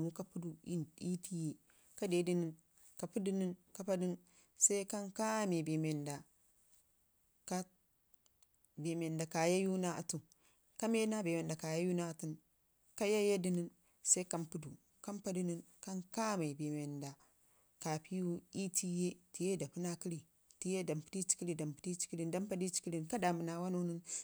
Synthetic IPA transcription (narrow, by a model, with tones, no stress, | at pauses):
mu˦ka˦pu˦du˨ḭ˦i˦ti˦je˦ | ka˦de˨˦di˦ni˦n | ka˨pu˦di˦ni˦nka˦pa˦di˦n | sa˦i˦ka˦ŋka˦me˨be˨me˨nda˨ | ka˦ | be˨me˨nda˨ka˨ja˦ju˦na˦a˨tu˨ | ka˦me˦na˦be˨me˨nda˨ka˨ja˦ju˦na˦˨tu˦n | ka˦ja˦je˦di˦ni˦n | sa˦i˦ka˦mpu˦du˨ | ka˦mpa˦di˦ni˦n | ka˦nka˦ma˨bi˨me˨nda˨ | ka˨pʰi˦wu˦i˦ti˦je˦ti˨je˦da˨pu˦na˦ki˦li˨ | ti˦je˦da˨mpi̥˨˦di˦t͡ʃi̥˦ki˦li˦da˨mpi˨ti˦t͡ʃi̥˦ki˦li˦nda˦mpa˦di˦t͡ʃi̥˦ki˦li˨nka˦da˨mu˨na˨wa˦nu˦ni˦n